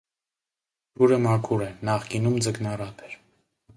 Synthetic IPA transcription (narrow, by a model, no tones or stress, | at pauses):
luɾəmɑkʰuɾɛnɑχkinumd͡zəknɑrɑpʰɛɾ